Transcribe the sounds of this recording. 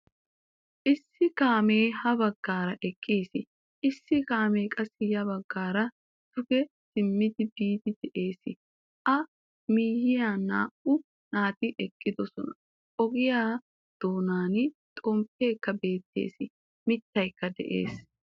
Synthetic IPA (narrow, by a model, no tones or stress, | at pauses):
ʔɪsːɪkaːme̞ːhɐbɐɡːaːɾɐʔɛkʼːiːsɪ | ʔɪsːɪkaːme̞ːkʼɐsːɪjɐbɐɡːaːɾɐ | d̪̥ʊɡɛ | sɪmːɪd̪ɪbiːd̪ɪd̪ɛʔe̞ːsɪ | ʔɐ | miːjɪjaːna̰ːʔʊ | naːt̪ɪʔɛkʼːɪd̪ɔsɔnɐ | ʔɔɡɪjaː | d̪̥o̞ːnaːnɪt̪ʼɔmpːeːkːɐbe̞ːt̪ːḛːsɪ | mɪt̪ːɐjkːɐd̪ɛʔḛːs